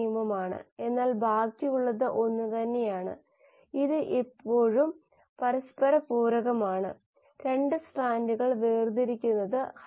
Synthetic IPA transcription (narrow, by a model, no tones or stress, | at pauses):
jumɐmaːɳɨ̰e̞nːaːlbʱaːkːijuɭːɐðɨʔo̞nːut̪ɐnːe̞jaːɳɨ̰ | iðɨʔepːo̞ːɻum | pɐɾɐspɐɾɐpuːɾɐɣɐmaːɳɨ̰ | ɾe̞ɳɖɨsʈaːnduɣɐɭʋeːrd̪iɾikʲːunːɐðɨh